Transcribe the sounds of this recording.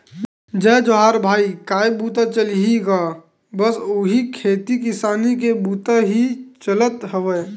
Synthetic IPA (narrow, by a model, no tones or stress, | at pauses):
d͡ʒɛːd͡ʒoɦaːɾbʱaːikaːjbuːt̪at͡ʃəlɦiɡa | bəsʊɦikʰeːt̪ikɪsaːnik̬ebuːt̪aɦit͡ʃələt̪ɦəʋə